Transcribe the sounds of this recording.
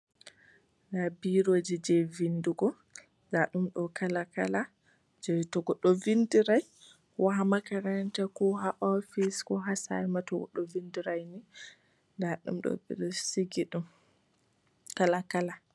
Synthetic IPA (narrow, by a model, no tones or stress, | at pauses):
ɡabiɾod͡ʒid͡ʒɛvinduɡɔ | daɗumɗɔkalaka̰la | d͡ʒɛtɔɡɔɗɔvindiɾaj | wʔaɦamakaɾantɛkɔhaʔɔfiskɔɦasa̰jmatɔɡɔ̰ɗɔvindiɾajni | daɗṵmɗɔ̰bḭɾsiɡiɗum | kalakala